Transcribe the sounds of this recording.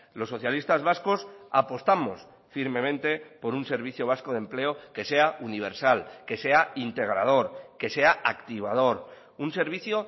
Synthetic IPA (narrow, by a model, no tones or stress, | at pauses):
lo̞sːo̞θjalist̪azβasko̞sapo̞st̪amo̞s | fiɾmẽ̞mẽnt̪e̞po̞ɾunse̞ɾβ̞iθjo̞β̞asko̞ð̞e̞mple̞o̞ke̞se̞auniβ̞e̞ɾsalke̞se̞aint̪e̞ɣ̞ɾa̰ð̞o̞ɾke̞se̞aʔakt̪iβ̞að̞o̞ɾ | unse̞ɾβ̞iθjo